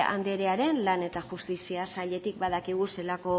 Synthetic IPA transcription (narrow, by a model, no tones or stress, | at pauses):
a̰nd̪e̞ɾeaɾe̞nlane̞t̪aʝust̪isiasaʎe̞t̪ik̚bað̞akiɣ̞use̞lako̞